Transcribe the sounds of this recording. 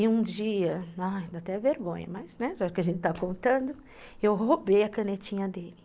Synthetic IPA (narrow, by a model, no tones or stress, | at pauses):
iũd͡ʒiɐad̪ɐt̪ɛ̃veɾɡõ̰ɲɐ̰mɐznɛʒaʒʊkɪaɐʒẽnt͡ʃɪt̪akõnt̪ɐ̃nd̪ʊ | ewɦobejɐkɐ̃net͡ʃĩɲɐd̪elɪ